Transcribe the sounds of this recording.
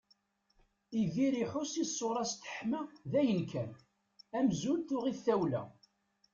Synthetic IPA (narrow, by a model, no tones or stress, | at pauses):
iðiɾiħʊsisːʊɾˤɑst̪ə̥ħmæðæjənkʰæn | æmzult̪ʊʁiθːæwlæ̰